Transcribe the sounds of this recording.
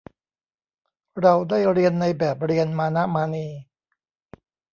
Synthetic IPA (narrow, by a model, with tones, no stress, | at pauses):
ɾa˧wdaː˥˩jɾi˧ənːa˧jbɛː˨˩p̚ɾi˧ənmaː˧na˦˥maː˧niː˧